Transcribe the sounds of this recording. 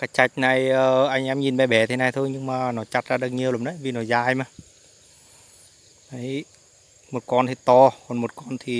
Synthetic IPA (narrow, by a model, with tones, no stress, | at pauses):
kaː˨˦jt͡ɕa˨˧˩jk̟̚na˨˩jəː˨ʔa˧jŋ̟ʔɛ˧mɲi˨˩nɓɛ˨˩ɓɛ˨˦t̪ʰe˨˦na˨˩jt̪ʰo˧jɲɨ˧ŋmaː˨˩nɔ˨˦t͡ɕa˧t̚zaː˧ɗə˧˩ŋ̚ɲi˨˧əwlə˨˦nɗə˨˦vi˨˩nɔ˨˦zaː˧jmaː˧˩ | na˨˦j | mo˨˩t̚kɔ˧nt̪ʰi˨˩t̪ɔ˧kɔ˨˩nmo˨˩t̚kɔ˧nt̪ʰi˨˩